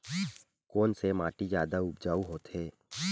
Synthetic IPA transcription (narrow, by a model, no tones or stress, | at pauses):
koːnsemaːʈid͡ʒjaːd̪aʊbd͡ʒaːuɦoːt̪ɦeː